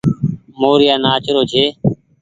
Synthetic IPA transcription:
moːɾɪjaːnaːt͡ʃɾoːt͡ʃʰeː

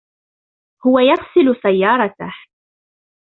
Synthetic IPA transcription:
hʊwajɑɣsɪlʊsajːɑːɾˤɑt̪ah

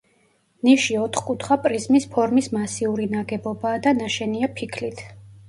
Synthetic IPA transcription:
niʃiɔt̪ʰχkʼut̪ʰχapʼɾizmispʰɔɾmismasiuɾinaɡɛbɔbaːd̪anaʃɛniapʰikʰlit̪ʰ

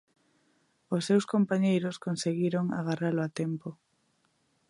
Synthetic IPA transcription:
osːewskompaɲejɾoskonseɣiɾoŋa̰ɣaraloat̪empo

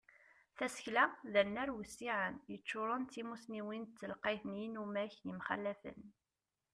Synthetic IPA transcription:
θæsə̥çlæðənæɾwəsːiʕənjət͡ʃːʊɾˤənt̪ːimusniwint͡sːəlqɑθnjinumæçjəmχa̰lːæfə̰n

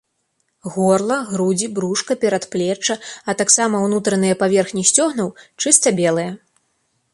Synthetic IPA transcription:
ɣɔrlˠɐɣɾud͡zʲibɾuʂkɐpʲɛɾɐt̪plʲɛt͡ʂːɐɐt̪aksamɐwnut̪ɾɐnɨjɐpavʲɛrxnʲisʲt͡sʲɔɣnɐwt͡ʂɨst̪ɐbʲɛlˠɨjɐ

